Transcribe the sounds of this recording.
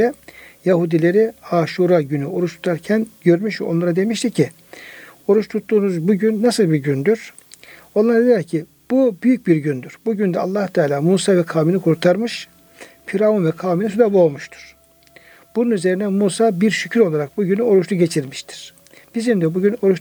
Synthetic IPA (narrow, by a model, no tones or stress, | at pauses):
ɛjaɦud̪ilʲe̞ɾiaːʃuɾaɟynyo̞ɾuʃt̪ʰu̥t̪ʰaɾcʰænɟøɾmyʃvɛ̰onˠaɾad̪e̞miʃt̪ʰicʰi | o̞ɾuʃt̪ʰut̪ːuːnuzbuɟynːasɯlˠbiɾɟynd̪yɾ̥ | o̞nlˠaɾad̪elʲɛɾcʰi | b̥ubyjyc̚biɾɟynd̪yɾ̥buɟynd̪ɛa̰lˠːaht̪ʰaːlʲaːmuːsaːvɛkʰaːminikʰuɾt̪ʰaɾmɯʃ | fiɾaunvɛkʰaːminisud̪aboːmuʃt̪ʰu̥ɾ̥ | b̥ununyze̞ɾinɛmuːsaːbiɾʃycʰyɾo̞lˠaɾak̚buɟynyo̞ɾuʃt̪ʰuɟe̞t͡ʃʰiɾmi̥ʃt̪ʰi̥ɾ̥ | b̥izimd̪ɛbuɟyno̞ɾuʃ